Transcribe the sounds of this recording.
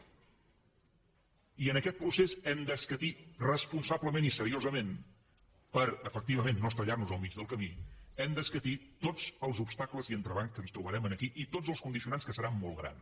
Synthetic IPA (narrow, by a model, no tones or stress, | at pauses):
iənəkɛt̪̚pɾusezɛmd̪əskət̪irəspunsabləmenisəɾiozəmen | pəɾəfək̚t̪iβəmenːost̪əʎarnuzəlˠmid͡ʒðəlˠkəmiɛmd̪əskət̪it̪od͡zəlˠzupst̪akləziənt̪ɾəβ̞aŋskənst̪ɾuβəɾɛmənəkiʔit̪od͡zzəlˠskund̪isiunanskəsəɾamːɔlˠɣɾa̰n